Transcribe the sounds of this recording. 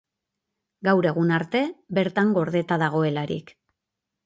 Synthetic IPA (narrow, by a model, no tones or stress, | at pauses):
ɡawɾe̞ɣunaɾt̪e̞be̞ɾt̪aŋɡo̞ɾðe̞t̪aðaɣ̞o̞e̞laɾḭk